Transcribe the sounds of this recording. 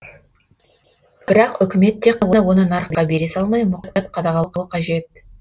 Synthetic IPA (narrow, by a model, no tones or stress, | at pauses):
b̥ɪɾɑqʏkʲɪme̞t̪ːe̞qʰwowo̞nənɑɾqɑbe̞ɾe̞sɑlˠmɑjmʊqt̪̚qɑt̪̚qʰɑd̪ɑʁɑlˠqəəqʰɑʒe̞t̪̚